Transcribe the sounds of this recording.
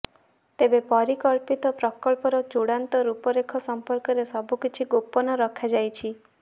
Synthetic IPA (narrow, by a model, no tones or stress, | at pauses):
t̪ebepɔɾikɔɭpit̪ɔpɾɔkɔɭpɔɾɔt͡ʃuɽant̪ɔɾupɔɾekʰɔsɔmpɔɾkɔɾesɔbukit͡ʃʰiɡopːɔnɔɾɔkʰad͡ʒajt͡ʃʰi